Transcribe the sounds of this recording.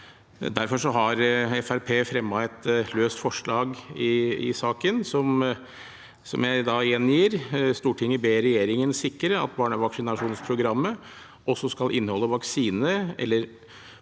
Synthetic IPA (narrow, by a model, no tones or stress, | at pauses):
d̪æɾfɔʂɔɦɑɾɛfæɾpʰeːfɾɛmːɑɛt̪løːst̪fɔʂɭɑːɡɪɪ̰sɑːkənsɔm | sɔ̰mjæɪd̪ɑɛnjiːɾst̪uːʈʰɪŋːəbeːɾɛjeːɾɪŋənsɪkːəɾəɑ̰t̪bɑːɳəʋɑksɪnɑʂuːnspʰɾʊɡɾɑmːə | ʔɔsːɔskɑlʔɪnːəhɔlːəʋɑksiːnəɛ̰lːəɾ